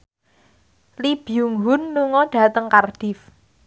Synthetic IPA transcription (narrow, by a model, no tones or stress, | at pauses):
lib̥ijuŋɦʊnluŋɔɖ̥ä̤t̪əŋkarɖ̥ɪf